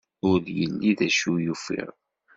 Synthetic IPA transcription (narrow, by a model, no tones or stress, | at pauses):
ʊɾðjəlːiðæʃujufḭʁ